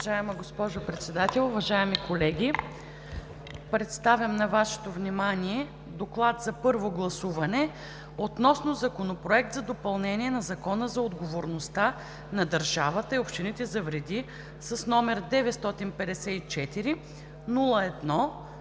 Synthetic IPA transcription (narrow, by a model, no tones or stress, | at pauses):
vɐʒajɛməɡospɔʒopɾɛt̪sɛd̪at̪ɛlˠʊvɐʒaɛmikolɛɡʲi | pɾɛt̪st̪avʲjɐmnɐvaʃɛ̥t̪ovnʲimaniɛ | d̪oklˠat̪zɐpɤɾvoɡlˠɐsuvɐnɛ | ot̪nɔsnozɐkonopɾoɛk̚t̪zɐd̪opɐlˠnɛniɛnɐzɐkɔnəzɐod̪ɡovoɾnost̪a | nɐd̪ɐɾʒavət̪əiopʃt̪init̪ɛzɐvɾɛd̪i | sɐsnɔmɛɾd̪ɛvɛt̪st̪ɔt̪inpɛd̪ɛsɛit͡ʃɛt̪iɾi | nulˠəɛd̪nɔ